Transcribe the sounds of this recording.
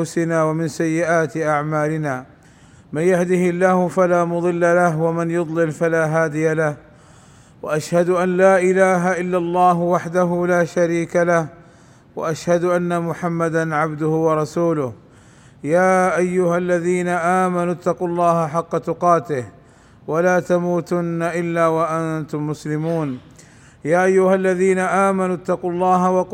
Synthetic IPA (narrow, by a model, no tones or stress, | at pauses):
ʊsɪnaːwamɪnsajːɪʔaːt̪ɪʔaʕmaːlɪnaː | manjahd̪ɪhɪlːaːhʊfalaːmʊd̪ˤɨlːalahwamanjʊd̪ˤlɪlfalaːɦaːd̪ɪjalah | waʔaʃhad̪ʊʔanlaːʔɪlaːɦaʔɪlːalˤːɑːɦʊwaħd̪aɦʊlaːʃaɾiːkalah | wa̰ʔaʃhad̪ʊʔanːamʊħamːad̪anʕabd̪ʊhʊwɑɾˤɑsuːlʊh | jaːʔajːʊhalːaðiːnaʔaːmanʊt̪ːɑqʊlˤːɑːhaħɑqːɑt̪ʊqɑːt̪ɪh | walaːt̪amuːt̪ʊnːaʔɪlːaːwaʔant̪ʊmːʊslɪmuːn | jaːʔajːʊhalːaðiːnaʔaːmanʊt̪ːɑqʊlˤːɑːɦawɑq